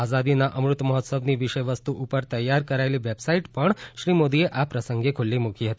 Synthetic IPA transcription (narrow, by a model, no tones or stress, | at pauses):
ad͡zad̪inaʔəmɾut̪məɦɔt̪səbniːʋiɕəjʋəst̪uʔupəɾt̪əjːaɾkəɾajliːʋebsaiʈpəɳɕɾiːmod̪ieʔapɾəsəŋɡekʰulːiːmukʰiːɦət̪i